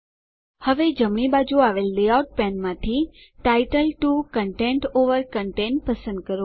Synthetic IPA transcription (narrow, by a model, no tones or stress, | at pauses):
həʋed͡ʒəmɳibad͡ʒuaʋelːeawʈ̚pɛ̃nmãt̪ʰi | ʈaiʈəlʈukəɳʈeɳʈoʋəɾkəɳʈẽɳʈ̚pəsə̃nd̪̚kəɾo